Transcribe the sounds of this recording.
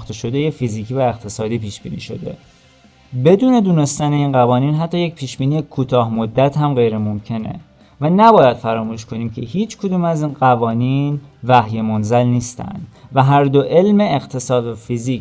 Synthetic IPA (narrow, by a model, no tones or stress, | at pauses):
xt̪ʰeʃo̞d̪e̞je̞fiziːcʰiːvæe̞qt̪ʰe̞sɒːd̪iːpiːʃb̥iːnḭːʃo̞d̪e̞̰ | be̞d̪uːne̞d̪uːne̞st̪æne̞iːnɢævɒːniːnɦæt̪ʰːɒːje̞c̚pʰiːʃb̥iːniːjekʰuːt̪ʰɒːhmod̪ːæt̪hæmɢe̞jɾemo̞mcʰe̞ne̞̰ | vænæbɒːjæd̪̥fæɾɒːmuːʃkʰo̞niːmcʰe̞ɦiːt͡ʃʰkʰod̪uːmæziːnɢævɒːniːnvæhje̞mo̞nzælniːst̪æ̰nd̪̥væɦæɾd̪oʔe̞lme̞ːqt̪ʰe̞sɒːd̪væfiziːc